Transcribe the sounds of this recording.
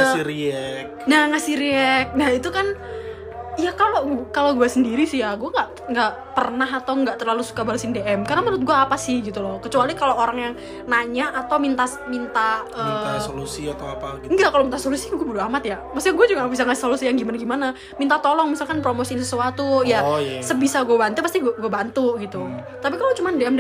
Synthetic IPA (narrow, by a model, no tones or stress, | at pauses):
ŋasiɾiɛk̚naŋasihɾiɛk̚nahit̪ukan | jakalokaloɡuasəndiɾisɪhjaɡuaŋɡaʔ | ŋɡaʔpərnaɦat̪awŋɡaʔt̪ərlalusu̥kabaɾasɪndeʔɛmkaɾənaməɾʊt̪̚ɡuaːpasɪhɡit̪ulɔkət͡ʃualikaloʔoɾaŋjaŋ | naɲaʔːt̪awmint̪a | mint̪aəːasolusiat̪awaaŋɡakalomint̪asolusiaŋɡuabuduɦamat̪jamasiaŋɡuad͡ʒuɡaŋbisaŋasɪsolusijaŋɡimanaɡimana | mint̪at̪ɔlɔŋmisalkanpɾomosiɪnsəsuwat̪ujasəbisaɡuabant̪upast̪iɡuɡuabant̪uʔɡit̪u | t̪ap̬ikalot͡ʃumandeɛm